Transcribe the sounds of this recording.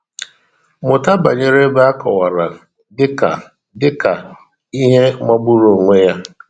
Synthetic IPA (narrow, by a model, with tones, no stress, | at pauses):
mʊ˨ta˦ba̰˨ɲe˨ɾe˦ba˦a˦kɔ˨wa˨ɾa˨ | dɪ˦ka̰˨ | dɪ˦ka˨ | i˦ɦe˦ma˦ɡ͡bu˦ɾo˨ŋʷe˦ja˦